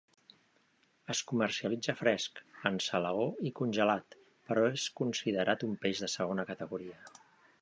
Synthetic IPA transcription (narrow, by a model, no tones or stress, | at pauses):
əskumərsiəlid͡zəfɾɛskənsələoikunʲʒəlat̪ | pəɾɔeskunsiðəɾʔat̪umpeʒðəsəɣ̞onəkət̪əɣuɾiə